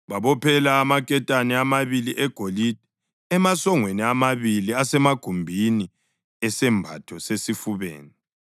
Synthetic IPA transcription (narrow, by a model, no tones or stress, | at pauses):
βaβɔpʰɛlaːmakʼɛtʼanɛamaβiliʔɛɡ̥ʱolid̥ʱɛ | ɛmasɔŋweniamaβiliasɛmaɡ̥ʱumbʱini | ɛsɛmbʱa̰tʰɔsesifuβḛːni